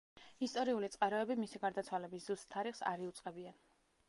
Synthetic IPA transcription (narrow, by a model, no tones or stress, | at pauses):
ist̪ʼɔɾiulit̪sʼqʼaɾɔɛbimisiɡaɾd̪at̪sʰwalɛbiszust̪t̪ʰːaɾiχsa̰ɾiut̪sʼqʼɛbian